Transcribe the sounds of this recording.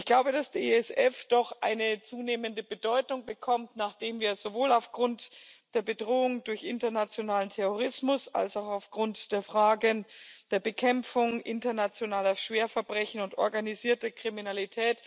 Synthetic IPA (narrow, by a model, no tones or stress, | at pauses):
ɪçɡ̥laʊbədasd̥eeɛsɛfd̥ɔχʔa̰ɪnət͡suːneːməndəbədɔʏtʊŋbəkʰɔmtnaːχd̥eːmviːɐz̥ovoːlaʊfɡ̥ʁʊntd̥eːɐbədʁoːʊŋdʊɐçʔɪntɐnat͡sjonaːləntʰɛʁoʁ̞ɪsmʊsa̰lsaʊxaʊfɡ̥ʁʊntd̥eːɐfʁ̥aːɡənd̥eːɐbəkʰɛmp͡fʊŋʔɪntɐnat͡sjonaːlɐʃv̥eːɐfɛɐbʁɛçn̩ʊntɔ̰ɐɡaniziːɐtɐkʁ̥iminalitʰɛːt